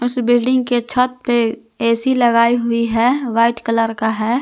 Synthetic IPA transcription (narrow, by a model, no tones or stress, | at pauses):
ʊsbɪlɖɪ̃ŋɡ̚ket͡ʃʰət̪̚pe | ɛːsilɐɡaːiɦʊiɦɛʋaːɪʈkɐləɾkaɦɛː